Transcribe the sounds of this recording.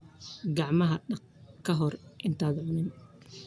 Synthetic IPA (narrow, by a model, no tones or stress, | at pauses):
ɡɑʕmɐɦɐɖɐ | kʰɐɦɔrʔɪnt̪ʰaːd̪ʕʊnɪn